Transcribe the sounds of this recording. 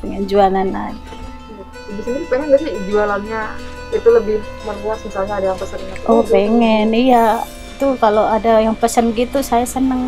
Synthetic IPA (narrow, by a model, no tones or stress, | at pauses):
bəŋənd͡ʒuanana | bisəniɾipeŋənbasid͡ʒualanɲa | it̪uləbɪhmərbuasmisalɲaːdajaŋpəsənaʔɔpeŋɛnija | t̪ukaloadajaŋpəsənɡit̪usajasənəŋ